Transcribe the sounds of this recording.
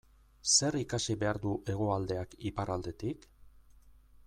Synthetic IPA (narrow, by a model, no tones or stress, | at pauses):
se̞ɾikasiβe̞aɾðuʔe̞ɣ̞o̞ald̪e̞akipaɾʔald̪e̞t̪ik